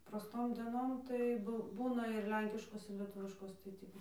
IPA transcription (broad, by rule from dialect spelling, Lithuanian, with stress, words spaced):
prɐˈstoːm dʲɛˈnoːm tɐɪ ˈbʊ ˈbuːnɐ ɪr ˈlʲɛŋʲkʲɪʃkoːs ɪr lʲɛˈtʊʋʲɪʃkoːs tɐɪ ˈtʲiː